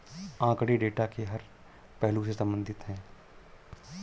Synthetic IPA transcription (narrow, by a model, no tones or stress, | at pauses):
ãːkɽeɖeːʈakeɦɐɾ | pɛɦlũsesɐ̃mbə̃nd̪ʱɪt̪ɦɛ̃ː